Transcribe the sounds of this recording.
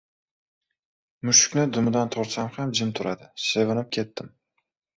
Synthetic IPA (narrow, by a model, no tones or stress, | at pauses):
mʊʃʊ̥kʲnɪd̪ʊmʊd̪ant̪ʰɒɾsamhamd͡ʒɪmt̪ʰʊɾad̪ɪsevɪnɪp̚kʲʰe̞t̪ːɪm